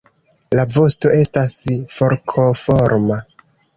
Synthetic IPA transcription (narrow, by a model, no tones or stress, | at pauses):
lavo̞sto̞ʔe̞stasfo̞ɾkʰo̞foɾma